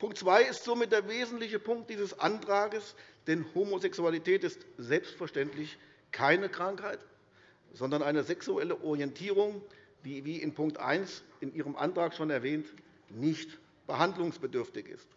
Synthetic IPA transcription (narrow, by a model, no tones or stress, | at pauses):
pʰʊŋktt͡sv̥aɪɪstz̥oːmɪt̚d̥eːɐveːzn̩tlɪçəpʰʊŋkt̚d̥iːzəsʔa̰ntʁ̥aːɡəsd̥ɛnhoːmozɛksualitʰɛːtɪstz̥ɛlpstfɛɐʃtɛntlɪç | kʰaɪnəkʁ̥aŋkhaɪt | z̥ɔndɐnaɪnəzɛksuɛləʔɔʁiɛntʰiːʁ̞ʊŋ | diːviːʔɪnpʰʊŋk̚tʔa̰ɪnsɪnʔiːʁ̞əmʔa̰ntʁ̥aːkʃoːnɛɐvɛːnt | nɪçt | b̥əhandlʊŋsb̥ədʏɐftɪçɪ̰st